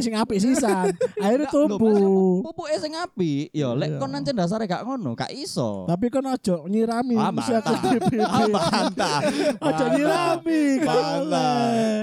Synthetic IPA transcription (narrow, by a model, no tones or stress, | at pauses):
sɪŋapiʔsisanaiɾt̪ubuubuʔesɪŋapijɔlɛʔkɔnːaɲt͡ʃəndas̬aɾeɡaʔŋonṵka̰ʔisɔ̰t̪ap̬ikɔnɔd̥ʒ̥ɔʔɲiɾamisiakupipi | ɔd̥ʒ̥ɔʔɲiɾamil